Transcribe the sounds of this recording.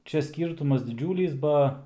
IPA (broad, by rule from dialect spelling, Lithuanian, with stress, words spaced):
ˈt͡ʃʲɛ ˈsʲkʲiːrtʊmɐs dʲɪˈd͡ʒʲuːlʲiːs ˈbɐ